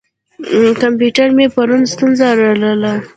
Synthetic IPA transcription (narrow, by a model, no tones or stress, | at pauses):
kampjuʈaɾmepaɾunst̪unzaɾaləla